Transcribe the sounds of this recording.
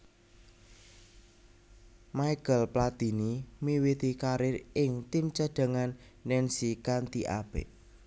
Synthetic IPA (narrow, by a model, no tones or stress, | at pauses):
majkəlplat̪inimiwit̪ikaɾɪrɪŋt̪imt͡ʃəɖ̪̥ə̤ŋanːɛnsikant̪iʔa̰b̥ɛ̰ʔ